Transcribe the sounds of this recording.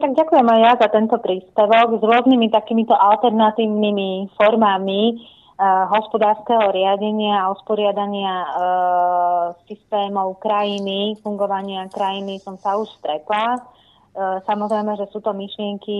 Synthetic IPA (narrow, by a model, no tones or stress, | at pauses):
t̪aɡɟakujɛmajjazat̪ɛnt̪ɔpɾiːspɛʋɔɡzɾʊɔznimit̪akimit̪ɔʔalt̪ɛɾnat̪iːʋnimifɔɾmami | ɦɔspɔd̪aːɾskɛɦɔɾɪaɟɛɲɪaːuspɔɾɪad̪aɲɪa | sist̪ɛːmɔʊkɾajinifuŋɡɔʋaɲɪakɾajinisɔmsauʃst̪ɾɛt̪la | samɔzɾɛjmɛʒɛsuːt̪ɔmiʃlɪɛŋki